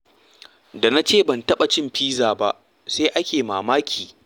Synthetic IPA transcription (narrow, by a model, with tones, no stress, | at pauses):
da˨na˦t͡ʃeː˦˨bɐ˨ntɐ˦ɓa˨t͡ʃɪ˦mɸiː˦zaː˨ba˦ʔ | seː˦ʔa˦kʲeː˨maː˨maː˦kʲʰiː˨